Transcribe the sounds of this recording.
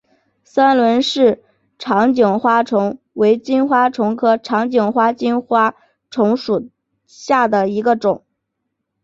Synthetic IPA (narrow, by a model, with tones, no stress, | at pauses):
sa˥nlwə˧˥nʂɻ̩˥˩ | ʈ͡ʂʰɑ˧˥ŋt͡ɕjʊ˨˩ŋxwa˥ʈ͡ʂʰʊ˧˥ŋ | we˧˥ɪt͡ɕi˥nxwa˥ʈ͡ʂʰʊ˧˥ŋkʰɤ˥ʈ͡ʂʰɑ˧˥ŋt͡ɕjʊ˨˩ŋxwa˥t͡ɕi˥nxwa˥ | ʈ͡ʂʰʊ˧˥ŋʂu˨˩ | ɕja˥˩d̪ə˩i˧˥ɡə˧ʈ͡ʂʊ˨˩˦ŋ